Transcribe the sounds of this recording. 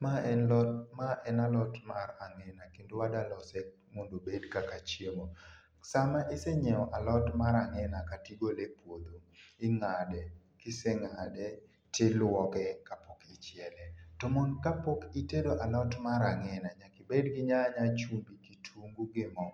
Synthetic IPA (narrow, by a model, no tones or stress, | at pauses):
maɛnɔmaʔɛnalɔtmaraŋɛnakindwadalɔsɛk | mondobedkakat͡ʃjemo | samaʔɪsɛɲɛɔʔalɔtmaɾaŋɛnakatiɡolepwod̪oɪŋadɛ | kɪsɛŋadɛ | telwɔkɛkapokɪt͡ʃjɛlɛtɔmɔnkapokitedoʔalɔtmaɾaŋɛnaɲakɪbedɡɪɲaɲat͡ʃumbikitʰuŋɡuɡɪmɔ